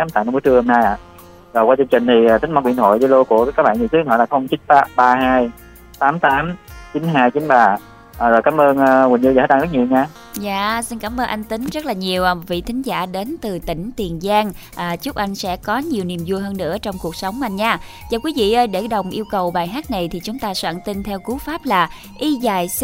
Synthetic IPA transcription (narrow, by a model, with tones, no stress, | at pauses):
a˧˦t̪aː˧˨n˧mu˨˦t͡ɕɨ˧əŋho˧mnaː˧jʔa̰ː˧˨ | zo˨˩jkwaː˧t͡ɕɨ˧ŋt͡ɕï˨˩ŋ̟t̪ʰi˨˩aː˨˩t̪ï˨˦ŋ̟ma˧kwḭ˧˨ənt̪ʰo̰˧˨jzlo˧ku˧˩əkaː˨˦kaː˦˥k̚ɓaː˧˨nɲi˧˨˩t̪ʰɨ˨˦˧hʰɔ̰˧˨laː˨˩xə˧wŋ͡mt͡ɕi˨˦nfaː˦˥p̚ɓaː˧ɦaː˧j | t̪aː˨˦mt̪aː˨˦mt͡ɕi˨˦nɦaː˧jt͡ɕi˨˦nɓaː˨˩˨ | zo˨˩jkaː˨˦mʔəː˧nʔːwï˨˩ŋ̟zɨ˧z̚ɗa˧ŋzə˦˥t̚ɲi˨˩əwɲaː˧ | zaː˧˨si˧nkaː˧˩mʔəː˧nʔa˧jŋ̟t̪ï˨˦ŋ̟zt̚laː˨˩ɲi˨˩əwʔvḭ˧˨t̪ʰi˨˦ŋ̟za̰ː˧˩ɗe˨˦nt̪ɨ˨˩t̪ï˧˩ŋ̟t̪i˨˩ənzaː˧ŋʔːt͡ɕʊ˦˥k͡p̚ʔa˧jŋ̟sɛ̰˧˥kɔ˨˦ɲi˨˩əwni˨˩mzu˧jɦəː˧nːɨ̰˧˥ət͡ɕɔ˧wŋ͡mku˨˩ək̚sə˨˦wŋ͡ma˧nɲaː˧ | zaː˨˩kwi˨˦vḭ˧˨ʔəː˧jɗe˧˩ɗə˨˩wŋ͡mʔi˧əwkə˨˩wɓaː˨˩jɦaː˦˥t̚na˨˩jt̪ʰi˨˩t͡ɕʊ˨˦ŋ͡mt̪aː˧swa̰ː˧˩nt̪i˧nt̪ʰɛ˧wku˨˦faː˦˥p̚laː˨˩ | ʔi˧zaː˨˩j